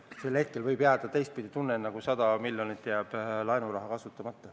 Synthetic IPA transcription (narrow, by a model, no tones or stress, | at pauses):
se̞lːhe̞t̪̚ke̞lvɤjbjæːd̪̥ɑt̪e̞jst̪̚pid̪it̪unːenɑɡ̥usɑd̪ɑmilʲjonit̪ːjæb̥lɑenuɾɑɦɑkɑsut̪ːˑɑmɑt̪ːˑɑ